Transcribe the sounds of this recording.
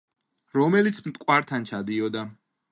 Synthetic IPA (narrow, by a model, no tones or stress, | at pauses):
ɾɔmɛlit̪sʰmt̪ʼkʼwaɾt̪ʰant͡ʃʰad̪iɔd̪a